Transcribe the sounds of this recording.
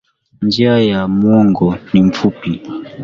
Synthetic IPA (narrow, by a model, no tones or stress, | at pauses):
nd͡ʒiajamwɔŋɡɔniɱ̩fupi